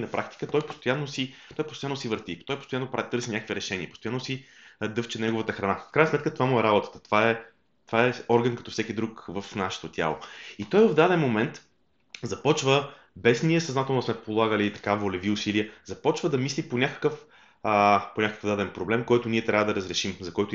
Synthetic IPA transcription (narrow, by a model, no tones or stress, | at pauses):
nɐpɾʔak̚t̪i̥kət̪ɔjpo̥st̪ojanːosit̪ɔjpost̪ojanːosivəɾt̪it̪ɔjpost̪ojanːopɾat̪ɤɾsinʲakəkviɾɛʃɛniəpost̪ojanːosi | d̪ɤft͡ʃɛnɛɡovət̪əxɾɐnafkɾajnsmɛt̪kət̪ovamuɛɾabot̪ə̥t̪ə̥t̪ovaɛ | t̪ovaɛɔɾɡənkɐt̪ɔfsɛkid̪ɾukvəfnaʃɛ̥t̪ot̪ʲja̰lˠo̰it̪ɔjvəvd̪ad̪ɛnmomɛnt̪ | zɐpɔt͡ʃvə | bɛsniɛsɐznat̪ɛlˠnɐsmɛpolˠaɡəlit̪ɐ̥kavolɛviʊsiliəzɐpɔt͡ʃvəd̪ɐmisliponʲakə̥kəf | ponʲakə̥kəvd̪ad̪ɛnpɾoblɛmkɔjt̪ʊniɛt̪ɾʲavəd̪ɐɾəzɾɛʃimzɐkɔjt̪o